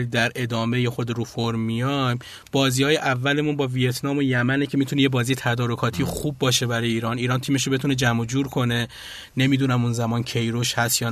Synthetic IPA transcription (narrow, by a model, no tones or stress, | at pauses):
id̪æɾʔe̞d̪ɒːme̞jexo̞d̪eɾufoɾmijɒjm | b̥ɒːziːhɒːjeʔævːælemunbɒːvije̞t̪ʰnɒːmo̞jæmænecʰe̞miːt̪ʰunejebɒːziːjet̪ʰæd̪ɒːɾo̞kʰɒːt̪ʰijexubːɒːʃe̞bæɾɒːjeiːɾɒːniːɾɒːnt̪ʰiːme̞ʃ̬ɾobet̪une̞d͡ʒæmod͡ʒuːɾkʰo̞ne̞ | ne̞mid̪unæmunzæmɒːncʰe̞jɾoʃhæst̪jɒː